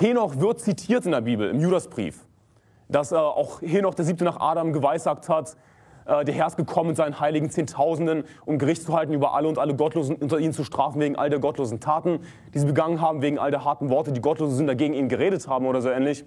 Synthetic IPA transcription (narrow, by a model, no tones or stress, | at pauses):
hiːɐnɔχv̥ɪɐt̚t͡sitʰiːɐtɪndeːɐbiːbl̩ɪ̰mjuːdasb̥ʁḭːf | d̥asʔɛːʔa̰ʊxhiːɐnɔχd̥eːɐziːptənaːχʔa̰ːɾamɡəvaɪsaːk̚that | ʔɛːdeːɐɦɛɐst̚ɡ̥əkʰɔməmɪntz̥aɪnənhaɪlɪɡŋ̩t͡seːntʰaʊzn̩dən | ʔʊmɡəʁɪçt̚t͡suhaltn̩ʔyːbɐʔa̰ləʊntʔaləɡɔtloːzn̩ʔʊntɐiːnənt͡suʃtʁ̥aːfn̩veːɡŋ̩ʔa̰lədeːɐɡɔtloːzn̩tʰaːtn̩ | d̥iːziːbəɡaŋənɦaːbm̩veːɡŋ̩ʔa̰lədeːɐɦaɐtn̩vɔɐtədiːɡɔtloːzəzɪntd̥aɡeːɡŋ̩iːnənɡəʁeːɾəthaːbm̩ʔoːɾɐzoːɛːnlɪç